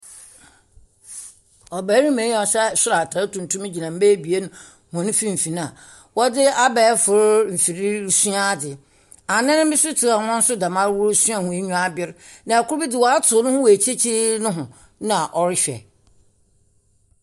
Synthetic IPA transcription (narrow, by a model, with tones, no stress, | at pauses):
ɔ˨bæː˨˦ɾĩ˦mẽ˨˦ɔ˨ɕɛ˦sʊ˦ɾa˨tʰa˨˦tũ˨n˨tʰũ˦m̃˦d͡ʑi˨nã˨m̩˦be˦bi˨e˦nʊ̃˦ | hɔ̃˨nʊ̃˦fi˦m̩˨fi˨ñ˦a˨ | wɔ˦dɪ˦a˦bɛː˨˦fʊ˨ɾm̩˨fi˨ɾi˦su˦a˦˨dɪ˨ | a˨nɪ̃˦nʊ̃˦mɪ̃˦sʊ˦tʰɪ˨ɾa˨ŋɔ̃˦n̩˦sʊ˦da˨mã˦ɾwʊ˦ɾsũ˦a˦˨hʊ̃˨e˦ɲũ˦a˦bɪ˦ɾnã˨a˨kʊ˦ɾbi˦dɪ˨wɔ˨a˦tʰʊ˨˦nʊ̃˦hʊ̃˦wɔ˨e˨t͡ɕʰe˦t͡ɕʰi˦nʊ̃˦ɦʊ̃˨ | nã˨ʔɔ˨ɾɪ˦ɕᶣɛ̰˨